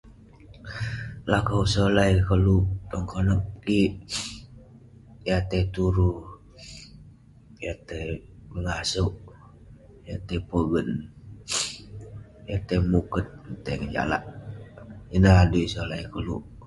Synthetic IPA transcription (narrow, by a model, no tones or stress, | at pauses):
lakəwsəlajkəlut̪ɔŋkonək̚kiʔ | jat̪et̪uɾu | jat̪ebəŋasuʔ | jat̪epobən | jat̪emukət̪̚nt̪eŋəd͡ʒa̰la̰ʔ | inaaduisolajkəlṵ